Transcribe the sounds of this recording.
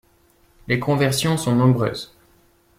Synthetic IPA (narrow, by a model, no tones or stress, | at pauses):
lekʰɔ̃vɛʁsjɔ̃sɔ̃nɔ̃bʁø̰ːz